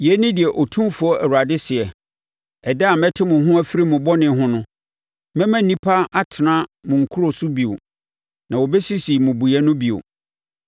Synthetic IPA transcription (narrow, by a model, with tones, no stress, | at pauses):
jɛ˨˦nɪ̃˦dɪ˨ɛ˨ʔɔ˨tʰũ˦fʊ˨˦ɔ˦ʔɛ̰˨wu˨ɾa˨dɪ˦sɪ˨ɛ˨ | ɛ˨dɛ˦a˨mɛ̃˦tʰɪ˦mʊ̃˨ɦʊ̃˦æ˦fi˦ɾi˦mʊ̃˨bɔ˦nɪ̃˨˦ɦʊ̃˦nʊ̃˦ | mɛ̃˦mæ̃˦˨nĩ˦pʰa˦a˦tʰɪ˨nã˦mʊ̃˨ŋ̩˨kʰu˦ɾo˨sʊ˦bi˨o̰˨ | nã˨wɔ˨bɛ˦si˦si˨mʊ̃˨bu˨jɛ˦nʊ̃˦bi˨o̰˨